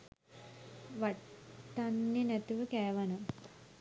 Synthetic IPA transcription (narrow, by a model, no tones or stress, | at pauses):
ʋɐʈːɐnːinɛt̪uʋəkɛːʋɐnɐ